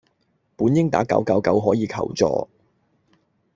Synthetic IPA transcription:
puː˨˥njɪ˥ŋt̪a̰ː˨˥kɐ̰˨˥wkɐ˨˥wkɐ˨˥wɦɔː˨˥jiː˨˧kʰɐ̰˨˩wt͡sɔ̰ː˧

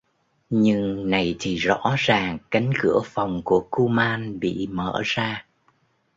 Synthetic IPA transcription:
ɲɨ˧ŋna˨˩jt̪ʰi˨˩zɔ̰˧˥zaː˨˩ŋka˨˦jŋ̟kɨ̰˧˩əfa˨˩wŋ͡mku˧˩əku˧maː˧nɓḭ˧˨mə̰ː˧˩˨zaː˧

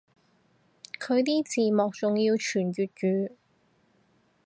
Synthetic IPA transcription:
kʰɵ˨˧ɥt̪iː˥t͡siː˨mɔː˨˩k̚t͡sʊ˨ŋjiː˧wt͡ʃʰyː˨˩njyː˨˩t̚t͡ʃyː˨˧

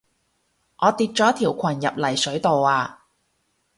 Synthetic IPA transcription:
ʔɔː˨˧t̪iː˧t̚t͡ʃɔː˨˥t̪ʰiː˨˩wkʷʰɐ˨˩njɐ˨p̚lɐ˨˩jsɵ˨˥ɥt̪o˨waː˧

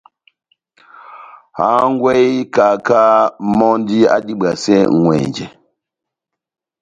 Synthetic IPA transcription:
ha˨˦ŋ˦ɡwɛ˦jka˨ka˦mɔ˦ndi˦a̰˦ɗi˦ɓa˨sɛ˦˨ŋwɛ̰˨nd͡ʒɛ˨

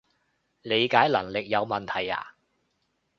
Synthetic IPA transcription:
le˨˧jkaː˨˥jlɐ̰˨˩ŋlɪ˨k̚jɐ˨˧wmɐ˨nt̪ʰɐ˨˩ja̰ː˨

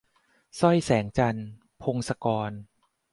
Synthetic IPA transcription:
sɔ˥˩jsɛː˩˦ŋt͡ɕa˧n | pʰo˧ŋsa˧kɔː˧n

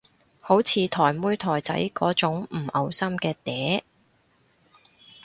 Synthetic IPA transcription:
ho˨˥wt͡sʰiː˨˧t̪ʰɔː˨˩jmuː˥jt̪ʰɔː˨˩jt͡sɐ̰˨˥jkɔː˨˥t͡sʊ˨˥ŋm̩˨˩ʔɐ˨wsɐ˥mkɛː˧t̪ɛː˨˥

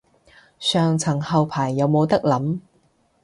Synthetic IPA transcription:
sœː˨ŋt͡sʰɐ˨˩ŋhɐ˨wpʰaː˨˩jːɐ˨˧wmo˨˧wt̪ɐ˥k̚lɐ˨˥m

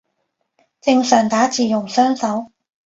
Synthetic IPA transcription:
t͡sɪ˧ŋsœː˨˩ŋt̪aː˨˥t͡siː˨jʊ˨˩ŋsœː˥ŋsɐ˨˥w

